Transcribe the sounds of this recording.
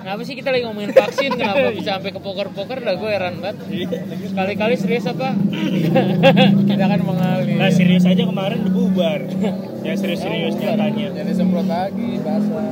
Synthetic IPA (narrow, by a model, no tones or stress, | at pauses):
nːpasɪkit̪alaɡimomoɪnfaksɪnkənapabisaːmpɛkəpokərpokərdaɡuaeɾanbat̪̚ | kalikalisəɾiʊsapa | kidakanməŋalilasiɾiʊsad͡ʒakəmaɾɛndəbubar | jasiɾiʊsiɾiʊsɲakaɲad͡ʒadisəblok̪aɡibasa